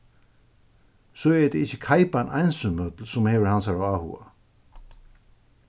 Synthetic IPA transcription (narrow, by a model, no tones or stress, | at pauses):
soɛɹd̪ɛɪçəkʰajpanʔa̰jnsʏnmœt̪lsʊmheːvəɹhansaɾawahṵa̰